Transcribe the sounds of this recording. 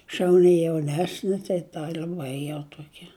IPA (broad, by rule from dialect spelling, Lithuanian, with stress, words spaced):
ʃɐʊˈnʲɪ jɛʊˈnʲæːsʲnʲɪ tɐɪ ˈtɐ lʲɛˈbɐɪ jɛʊ ˈtuɔkʲɛ